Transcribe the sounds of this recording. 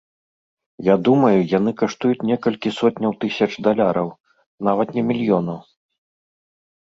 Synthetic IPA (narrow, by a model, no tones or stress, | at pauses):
jad̪umɐjujanɨkaʂt̪ujut͡sʲnʲɛkɐlʲkʲisɔt̪ʲnʲɐwt̪ɨsʲɐt͡ʂd̪alʲaɾɐw | navɐt̪nʲɛmʲilʲjɔnɐw